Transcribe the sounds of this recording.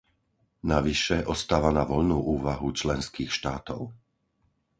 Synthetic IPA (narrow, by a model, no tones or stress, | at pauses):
naʋiʃɛʔɔst̪aːʋanaʋɔʎnuːʔuːʋaɦut͡ʃlɛnskiːxʃt̪aːt̪ɔʊ